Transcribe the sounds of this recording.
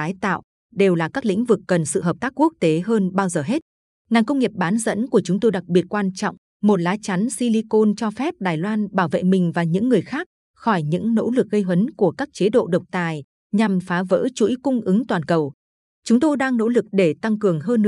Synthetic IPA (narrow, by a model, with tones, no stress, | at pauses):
aː˨˦jt̪a̰ː˧˨w | ɗe˨˩wlaː˨˩kaː˦˥k̚lḭ̈˧˥ŋ̟vɨ˨˩kːə˨˩nsɨ̰˧˨ɦə˨˩p̚t̪aː˦˥k̚ːu˦˥ək̚t̪e˨˦ɦəː˧nɓaː˧wzəː˨˩ɦe˦˥t̚ | naː˨˩ŋkə˧wŋ͡mŋi˨˩əp̚ɓaː˨˦nzə̰˧˥nku˧˩ət͡ɕʊ˨˦ŋ͡mt̪o˧jɗa˨˩k̚ɓi˨˩ət̚kwaː˧nt͡ɕɔ̰˧˨wŋ͡m | mo˨˩t̚laː˨˦t͡ɕa˨˦nsi˧li˧ko˧nt͡ɕɔ˧fɛ˦˥p̚ɗaː˨˩jlwaː˧nɓaː˧˩wvḛ˧˨mï˨˩ŋ̟vaː˨˩ɲɨ̰˧˥ŋːɨ˨˩əjxaː˦˥k̚ | xɔ˧˩jɲɨ̰˧˥ŋno̰˧˥lɨ˨˩k̚ɣə˧jɦwə˨˦nku˧˩əkaː˦˥k̚t͡ɕe˨˦ɗo̰˧˨ɗə˨˩wk͡p̚t̪aː˨˩j | ɲa˨˩mfaː˨˦və̰ː˧˥t͡ɕṵ˧˥jkʊ˧ŋ͡mʔɨ˨˦ŋt̪waː˨˩nkə˨˩w | t͡ɕʊ˨˦ŋ͡mt̪o˧jɗaː˧ŋno̰˧˥lɨ˨˩k̚ɗe˧˩t̪a˧ŋkɨ˨˩əŋɦəː˧nː˧